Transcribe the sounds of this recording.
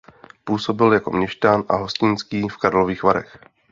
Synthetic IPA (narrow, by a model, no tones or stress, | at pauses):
puːso̞bɪljako̞̰mɲɛʃt̪anʔa̰ɦo̞scɪnskiːfkaɾloviːxvaɾɛ̰x